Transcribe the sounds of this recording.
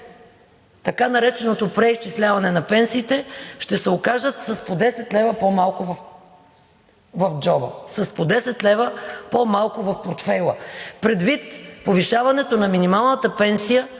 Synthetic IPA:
t̪ɐkanɐɾɛt͡ʃɛnot̪opɾɛist͡ʃislʲavɐnɛnɐpɛnsiːt̪ɛʃt̪ɛsɛokaʒd̪ət̪sɐspod̪ɛsɛt̪lɛvəpomalˠkʊvf | vɐfd͡ʒɔbə̰sɐspod̪ɛsɛt̪lɛvəpomalˠkʊvɐfpoɾt̪fɛlˠəpɾɛd̪vit̪poviʃavɐnɛt̪onɐminimalˠnət̪əpɛnsijə

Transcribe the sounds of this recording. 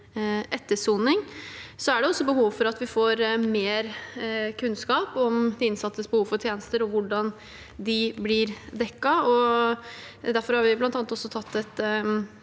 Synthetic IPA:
ʔɛt̪ːəʂuːnɪŋsɔæɖɛɔsːɔbəɦuːʋfɔɾɑt̪ʋɪfoːɾmeːɾkʰʉnskɑːpɔmd̪ɪɪnsɑt̪ːəsbəhuːʋfɔɾʈ̪ʰjeːnəst̪əɾɔʋʊɖɑn | d̪ɪblɪɾd̪ɛkːɑɔ | d̪æɾfɔɾhɑɾʋɪblɑnt̪ɑnɑt̪ɔsːɔt̪ʰɑt̪ːɛt̪

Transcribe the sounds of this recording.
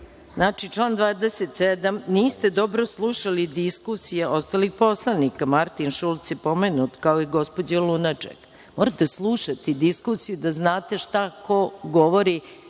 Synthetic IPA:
znaːt͡ʃit͡ʂlˠaːnd̪ʋaːd̪eset̪sed̪amniːst̪e̞d̪o̞bɾoslˠuʃalid̪iskusijeʔo̞st̪aːlixpo̞slˠanikamaɾt̪inʃulˠt̪sjepo̞menut̪kaoiɡo̞spo̞d͡ʑelˠunat͡ʂḛk | moɾat̪e̞slˠuʃat̪id̪iskusijud̪aznaːt̪e̞ʃt̪ako̞ɡo̞ʋo̞ɾi

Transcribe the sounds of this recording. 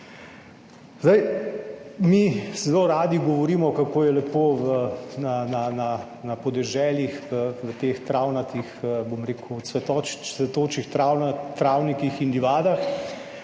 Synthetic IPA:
zd̪aj | misɛloɾaːd̪iɡɔʋɔɾiːmɔkakoːjɛlɛpoːʋnanana | napɔd̪ɛʒɛːljixʋət̪ext̪ɾaːwnat̪ixbomɾeːkusʋɛt̪ɔsʋɛt̪oːt͡ʃixt̪ɾawnt̪ɾaːwnikixind̪iʋaːd̪ax

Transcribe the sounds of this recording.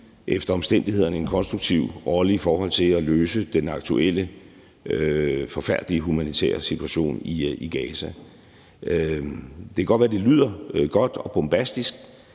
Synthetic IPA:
ʔefd̥ɐɒ̽msd̥en̰d̥ihe̝ð̞̰ˠɐnəe̝nkʰɒ̽nsd̥ʁuɡ̥t͡sʰiʊ̰ʁɒ̽ləifɒːhɒ̽l̰t͡sʰe̝læløːsəd̥enɑ̈ɡ̥̚t͡sʰuel̰ə | øfɒ̽fæɐ̰d̥liəɦumænit͡sʰḛːɐ̰sit͡sʰuæɕo̝̰ːniiɡ̥ɛːsæ | d̥e̝kʰɡ̥ɒ̥̽ʋæd̥e̝ly̰ð̰ˠɐɡ̥ɒ̽d̥ɒ̽b̥omb̥æsd̥isɡ̥̚

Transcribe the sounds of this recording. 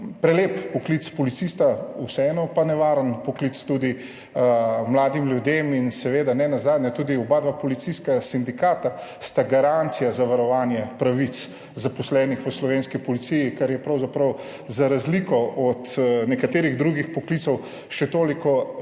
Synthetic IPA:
pɾɛleːpːɔklit̪spɔlit̪sist̪ausɛɛnɔpanɛʋaːɾənpɔklit̪st̪ud̪i | mlaːd̪imljud̪eminsɛʋeːd̪anɛnazaːd̪nat̪uːd̪iɔbaːd̪ʋapɔlit̪siskasind̪ikaːt̪ast̪aɡaɾant̪sijazaʋaɾɔʋaːnjɛpɾaʋit̪s | zapɔslɛːnixʋəslɔʋeːnskipɔlit̪sijikaɾjɛpɾɐwzapɾɐw | zaɾazlikɔɔt̪nɛkat̪eːɾiɣd̪ɾuɡixpɔklit̪sɔw | ʃɛt̪oːlikɔ

